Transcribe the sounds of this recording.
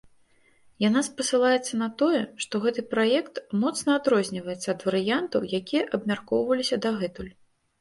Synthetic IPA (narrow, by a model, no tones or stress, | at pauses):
janaspɐsɨlˠajɛt̪sːɐnɐt̪ɔjɛʂt̪ɔɣɛt̪ɨpɾajɛkt̪mɔt̪snɐad̪ɾɔzʲnʲivɐjɛt̪sːɐːd̪vɐɾɨjant̪ɐwjakʲijɐʔɐbmʲarkɔwvɐlʲisʲɐd̪aɣɛt̪ulʲ